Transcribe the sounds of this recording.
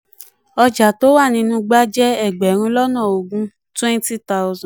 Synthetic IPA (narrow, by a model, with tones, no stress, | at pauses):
ɔ˧d͡ʒa˨to˦wa˦˨nĩ˧nũ˦ɡ͡ba˦d͡ʒɛ˦ɛ˦˨ɡ͡bɛ˨˦ɾ̃ũ˧˦lɔ˦nãː˦˨o˨ɡũ˦ | twɛ̃˦n˦ti˦ta˦ʊ˦zã˨